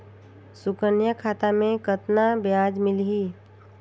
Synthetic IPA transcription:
sʊkənjəkʰaːt̪amẽkət̪nabjaːd͡ʒmɪlɦiː

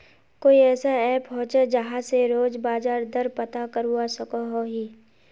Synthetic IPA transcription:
koːiɛːsaɛːpɦõːt͡ʃad͡ʒɐɦãseɾoːd͡ʒbaːzaːɾd̪ɐɾpɐt̪akəɾɦuasɐkoɦoɦiː

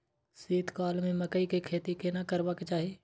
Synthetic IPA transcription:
seːt̪kaːlmẽmɐkəikekʰeːt̪ikenakəɾbaket͡ʃaːɦeː

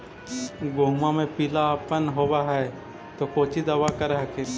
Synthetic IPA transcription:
ɡoːmamẽpilapənɦoːwaɦɛ | t̪okoːt͡ʃid̪ɐʋakəɾɦke

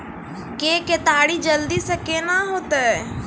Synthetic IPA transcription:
keːket̪aːɽid͡ʒəld̪isəkenaɦoːt̪ɛ

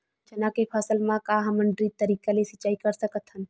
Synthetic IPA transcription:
d͡ʒɐnãkepʰəsəlmãkaɦɐməɳɖɾit̪əɾiːkalesət͡ʃːaːikəɾsəkət̪ɦən

